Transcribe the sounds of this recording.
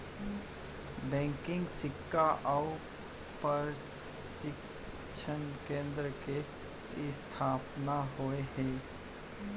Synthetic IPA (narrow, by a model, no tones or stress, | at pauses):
bɛ̃ːŋkɪ̃ŋɡsɪkːaʔaʊ | pəɾ | ʃɪk | t͡ʃʰənkẽːnd̪ɾəke | st̪ʰaːpnaɦoeɦɛ̃ː